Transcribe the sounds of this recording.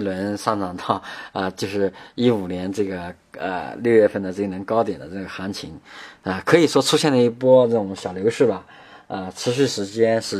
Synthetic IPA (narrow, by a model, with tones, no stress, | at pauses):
lwə˧˥nʂa˥˩ʈ͡ʂɑ˨˩ŋt̪ɑ˥˩ʊə˧t͡ɕjo˥˧ʊʂɻ̩˥˩i˥u˨˩njɛ˧˥nʈ͡ʂɤ˥˩ɡə˩ | ə̰˧ljo˥˧ʊɥɛ˥˧fə˥˩nd̪ə˩ʈ͡ʂɤ˥˩ɡnə˧˥nkɑ˥ʊt̪jɛ˨˩nd̪ə˦ʈ͡ʂɤ˥˩ɡə˩xa˧˥nt͡ɕʰḭ˧˥ŋə˧kʰɤ˧˥i˨˩ʂwɔ˥ʈ͡ʂʰu˥ɕjɛ˥˩nd̪ə˩i˥˩pwɔ˥ʈ͡ʂɤ˥˩ʊ˨˧˩ŋɕjɑ˨˩ʊljo˧˥ʊʂɻ̩˥˩bɐ˨˩ | ə˧ʈ͡ʂʰɻ̩˧˥ɕ̬y˥˩ʂɻ̩˧˥t͡ɕjɛ˥nʂɻ̩˥˩